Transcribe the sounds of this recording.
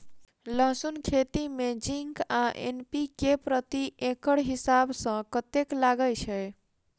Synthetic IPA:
ləɦsunkʰet̪imed͡ʒiŋkaʔḛnpikepɾət̪iʔekəɽɦisabsə̃kət̪eklaɡət͡ʃʰəj

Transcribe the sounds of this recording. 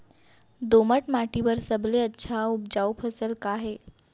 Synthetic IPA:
d̪oməʈmaʈibəɾsəbleətːɕʰaup̚d͡ʑawpʰəsəlkaɦe

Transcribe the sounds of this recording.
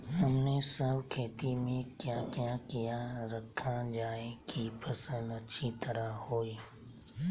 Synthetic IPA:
ɦɐmnesəbkʰeːt̪imẽkjãkjakijaɾɐkʰãd͡ʒaːekipɐsə̃nd̪ɐʃʰit̪ɐɾahoːiː

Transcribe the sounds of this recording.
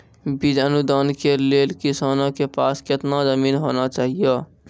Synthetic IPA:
bid͡ʒənud̪ankelelkisanõkepasket̪nazəminɦonat͡ʃaːɦijə

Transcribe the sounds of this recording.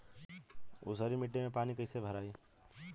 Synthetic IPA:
ṵsəɾimiʈːimepanikəɪsebʱəɾai

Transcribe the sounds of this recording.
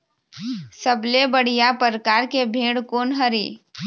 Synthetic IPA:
səblebəɽ̤ijapəɾkaːɾkebʱeːɽkoːnɦəɾiː

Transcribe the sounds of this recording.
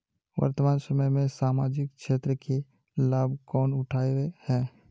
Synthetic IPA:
ʋə̰ɾt̪əmaːnsəməjmẽsaːmaːd͡ʒɪkkʃeːt̪ɾəke | laːbkɔːnʊʈʰaːewehɛː

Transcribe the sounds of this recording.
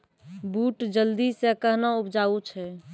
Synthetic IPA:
buːʈd͡ʒəld̪isekəɦnaupʰd͡ʒaːut͡ʃʰɛ

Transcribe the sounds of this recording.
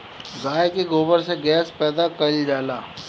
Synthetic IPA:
ɡaːjkiɡoːbəɾseɡɛːspɛːd̪akɐld͡ʒaːlaː

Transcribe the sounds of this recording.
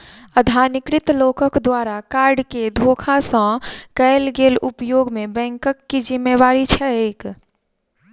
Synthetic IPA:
əd̪ʱaːnɪkɾɪt̪loːkəkd̪waːɾakaːɾɖked̪ʱoːkʰasɔ̃kəlɡeːlʊpjoːɡmẽbɛ̃ːŋkəkːid͡ʒɪmːeʋaːɾit͡ʃʰɛeːk

